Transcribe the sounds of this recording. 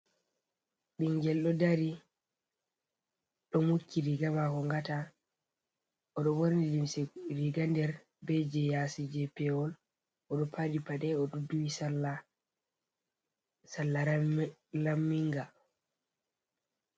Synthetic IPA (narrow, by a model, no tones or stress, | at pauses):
ɓiŋɡɛlɗɔdaɾi | ɗɔmukʰːiɾiɡamakɔŋɡata | ʔɔɗɔwoɾnilimsɛɾiɡandɛɾ | bɛd͡ʒɛjasid͡ʒɛpɛwɔl | ʔɔɗɔpʰaɗipaɗɛɔɗɔduwisalːa | salːa | lamːiŋɡa